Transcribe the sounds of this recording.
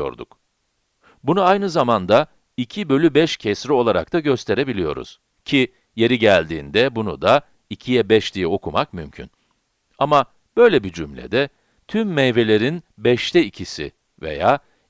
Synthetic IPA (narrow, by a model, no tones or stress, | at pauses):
o̞̰ɾd̪ṵk | bunuajnɯzamand̪a | icʰibø̞lʲybɛʃcʰɛsɾio̞lˠaɾa̰k̚t̪ʰaɟø̞st̪ʰe̞ɾe̞bilʲijo̞̰ɾṵz̥ | cʰi | je̞ɾiɟælʲd̪ḭːnd̪ɛbunṵd̪a | icʰijɛbɛʃd̪ijɛo̞kʰumakmymcʰy̰n | ama | b̥ø̞jlʲɛbid͡ʒymlʲɛ̰d̪ɛ | t̪ʰymːɛjve̞lʲe̞ɾinbɛʃt̪ʰɛicʰisḭ | vḛjaː